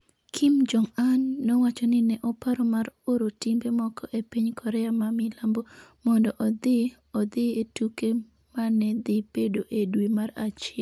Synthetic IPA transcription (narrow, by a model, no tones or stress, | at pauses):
kʰimd͡ʒɔŋanːɔwat͡ʃɔnɪnɛʔɔpaɾɔmaɾoɾotimbemɔkʰɔʔepiɲkʰɔɾɛamamɪlambomɔndɔʔɔd̪ɪ | ɔd̪ɪetuke | manɛd̪ɪb̥edoʔedwimaɾat͡ʃɪɛl